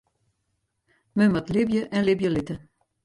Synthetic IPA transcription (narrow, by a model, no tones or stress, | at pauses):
mømatlɪbjəʔɛnlɪbjəlɪtə